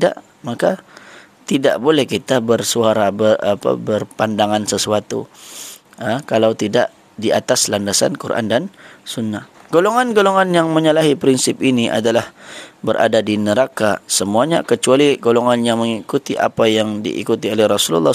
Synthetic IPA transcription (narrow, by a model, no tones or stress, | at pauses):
da̰ʔ | maka | t̪idaʔbolɛhkit̪abərsuaɾabəapa̰bərpandaŋansəsuat̪ṵ | əkalawt̪ida̰ʔ | dia̰t̪aslandasa̰nkuɾʔa̰ndansunːahɡ̥oloŋanɡoloŋanjaŋməɲəlaɦipɾinsɪp̚iniʔa̰dalahbəɾʔa̰dadinəɾakasəmuaɲa̰kət͡ʃualiɡoloŋanjaməŋikut̪iʔa̰pajaŋdḭʔḭkut̪iolɛhrɔsulṵlːɑ